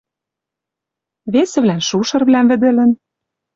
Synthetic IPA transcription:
βesɘ̆βlænʃuʃɤ̆rβlæmvɘ̆d̪ɘ̆lɘ̆n

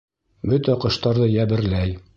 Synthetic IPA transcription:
bɵt̪æqɤ̆ʃt̪ɑɾðɤjæbɘ̆ɾlæj

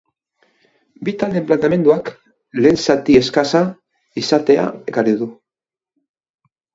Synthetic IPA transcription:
bit̪ald̪e̞mplant̪ame̞nd̪uak | le̞ːnsat̪ie̞skasa | isat̪e̞a̰e̞kariðu

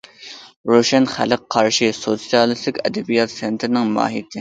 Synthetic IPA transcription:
ɾoʃɛnχæ̰lɨqqʰːɑɾʃɨsot̪sijɑlˠɨslɪkʲɛ̰d̪ɛbijɑt̪sent̪ʰɾɪnɪŋmɑ̰ːɦit̪ʰɪ

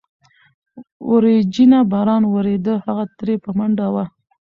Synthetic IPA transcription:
wʊɾed͡ʒinabɑɾɑnwəɾed̪əhaɣat̪ɾepəmaɳɖawa

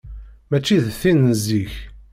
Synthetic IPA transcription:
mæt͡ʃːiðθinəziç

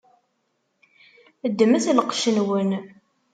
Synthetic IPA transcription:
əd̪ːmæθlqʃənwən

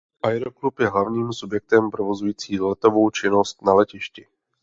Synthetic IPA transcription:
ʔajɾoklupjɛɦlavɲiːmsubjɛk̚t̪ɛmpɾovo̞zujiːt͡siːlɛt̪o̞vo̞wt͡ʃɪnost̪nalɛcɪʃcɪ

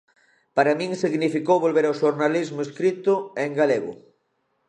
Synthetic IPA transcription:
paɾamĩŋsiɣnifikowβolβeɾawʃoɾnalizmʊeskɾit̪ʊeŋɡaleɣʊ̰

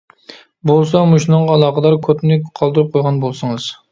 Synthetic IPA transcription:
bolˠsɑmuʃnɨŋɑlˠɑːqəd̪ɑɾkʰot̪nɪqʰɑlˠd̪ɨɾup̚qʰojʁɑnbolˠsɨŋɨz̥

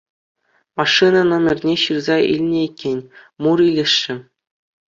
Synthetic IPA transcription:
mɑʂːɯnɑnɤ̆mʲɘ̆rʲnʲeɕɯrzɑḭlʲnʲĕikʲːenʲmuɾilʲeʂːɘ̆

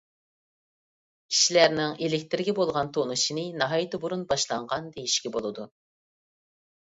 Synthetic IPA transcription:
kʲʰi̥ʃilæɾnɪŋelɪkʲt̪ɪɾɪɡʲɛbolˠʁɑnt̪ʰonuʃinɨnɑɦɑjit̪ɨbuɾunbɑʃlˠɑɴʁɑnd̪ejiʃkʲɛbolˠɨd̪u

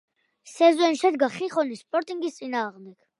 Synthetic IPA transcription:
sɛzɛnʃɛd̪ɡaχiχɔnispʼɔɾt̪ʼiŋɡist̪sʼinaːʁmd̪ɛɡ̥

